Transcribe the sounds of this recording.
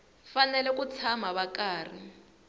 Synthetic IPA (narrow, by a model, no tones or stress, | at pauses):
fanɛlɛk̬ut͡sʰamaβakaːr̤i